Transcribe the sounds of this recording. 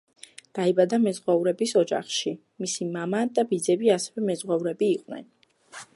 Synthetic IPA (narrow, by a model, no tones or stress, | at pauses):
d̪̥aibad̪amɛzʁwɛuɾɛbisɔd͡ʒa̰χʃi | misimamad̪abid̪zɛbiasɛvɛmɛzʁwɛuɾɛbiːqʼwnɛ̰n